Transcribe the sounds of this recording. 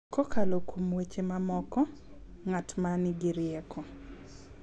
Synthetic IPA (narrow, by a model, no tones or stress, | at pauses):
kokʰalokʰumwet͡ʃemamɔkɔ | ŋatmanɪɡɪɾɪɛkʰɔ